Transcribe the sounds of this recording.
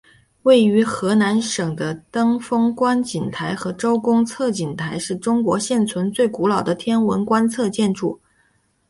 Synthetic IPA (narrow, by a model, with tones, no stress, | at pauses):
we˥˩ɪy˧˥xɤ˧˥na˧˥nʂɤ˨˩ŋd̪ə˦t̪ɤ˥ŋfɤ˥ŋkwa˥nt͡ɕi˨˩nt̪ʰa˧˥ɪxɤ˧˥ʈ͡ʂo˥ʊkʊ˥ŋt͡sʰɤ˥˩t͡ɕi˨˩nt̪ʰa˧˥ɪʂɻ̩˥˩ʈ͡ʂʊ˥ŋkwɔ˧˥ɕjɛ˥˩nt͡sʰwə˧˥nt͡swe˥˩ɪku˧˥lɑ˨˩ʊd̪ə˦t̪ʰjɛ˥nwə˧˥nkwa˥nt͡sʰɤ˥˧t͡ɕjɛ˥˧nʈ͡ʂṵ˥˩